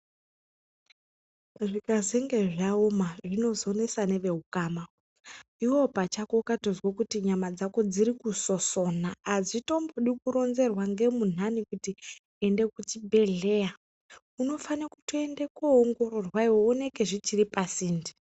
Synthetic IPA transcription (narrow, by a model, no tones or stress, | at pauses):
ʐikazeŋɡe̞ʐaomaʐino̞zo̞ne̞sane̞ʋe̞ɦukaːma | iwo̞pat͡ʃakokatozwokutiɲamad͡zako̞d͡ziɾikuso̞so̞naːzito̞mboɗikuɾo̞nze̞rwaŋɡe̞mun̤anikuti | ende̞kut͡ʃibʱe̞ɮeja | uno̞fanakutoende̞kuːŋɡo̞ɾo̞rwaiwoːne̞ke̞ʐit͡ʃiripasiːndi̥